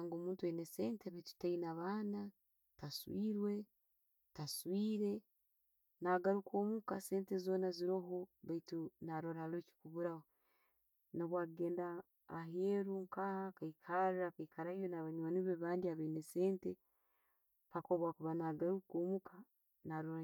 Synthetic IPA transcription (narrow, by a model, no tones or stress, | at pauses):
aŋɡo̞ːmuːntuwenese̞ːnteβajtu̥tainaβaːna | taswiːɾwe̞ | taswiːɾe̞ | naːɡaɾuko̞ːmukase̞ːntezo̞ːnaziɾo̞ɦoβaitunaɾoɾahaleːci̥kuβuɾaho | noβwaɡe̞ːndaː | ɦeɾuŋkahakaikʰaɾɾakaikaɾaijonaβaɲwaniβeβaːndiaβenese̞ːnte | pakoβwaːkuβanaɡaɾukoːmuka | naɾoɾa